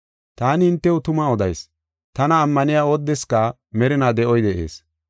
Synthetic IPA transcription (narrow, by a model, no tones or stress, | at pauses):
t̪aːnɪɪnt̪ːɛwʊt̪ʊmɐɔd̪ɐjs | t̪ɐnɐːmːɐnɪjaːɔd̪ːɛskɐ | mɛɾɪnad̪ɛʔɔjd̪ɛʔḛːs